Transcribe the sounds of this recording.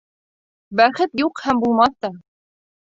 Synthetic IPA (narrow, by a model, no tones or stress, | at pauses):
bæχɘt̪juqhæmbulˠmɑθt̪ɑ